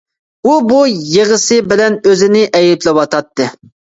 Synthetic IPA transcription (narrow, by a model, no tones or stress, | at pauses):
ubujeʁəsɨbɪlɛnøzɪnɪʔɛjɛplɪwɑt̪ʰɑt̪ːɨ